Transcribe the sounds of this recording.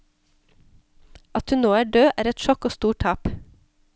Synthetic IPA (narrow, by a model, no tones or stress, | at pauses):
ʔɑt̪hʉnoːæːɖøːʔæːɾɛt̪ʃɔkoːst̪uːʈʈʰɑːp